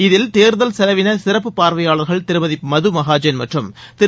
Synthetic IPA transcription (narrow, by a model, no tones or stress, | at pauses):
ɪðɪlt̪eːɾðɐlsɛlɐʋɪnɐsɪrɐpːɯpaːɾʋɐjaːɭɐɾɣɐɭt̪ɪɾɯmɐðɪpːmɐðɯmɐɣaːd͡ʒɐnmɐʈrɯmt̪ɪ